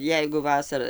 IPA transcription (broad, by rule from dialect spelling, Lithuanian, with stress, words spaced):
ˈjɛɪɡʊ ˈʋɑːsɐrɐ